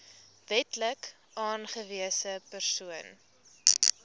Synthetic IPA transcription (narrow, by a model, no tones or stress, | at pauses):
vɛtlək | ʔɑːnχəviəsəpərsuən